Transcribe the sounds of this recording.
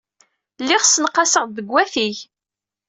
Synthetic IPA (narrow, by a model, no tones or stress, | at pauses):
lːɪʁsənqːɑsəʁðəɡwæθiç